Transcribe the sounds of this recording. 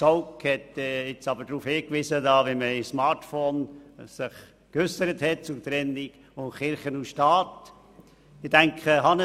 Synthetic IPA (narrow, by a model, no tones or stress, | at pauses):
soʊkhɛtɪt͡sɑbəɾdɾuːfhɪːkʋɪsədɑːʋimæɪsmɑɾtfoːnsɪχ | køsəɾəthɛt̚t͡sʊt̪ɾɛnːiɡ̥ | ʊχɪɾχənuʃtɑːt | ɪd̥æŋkχəhɑn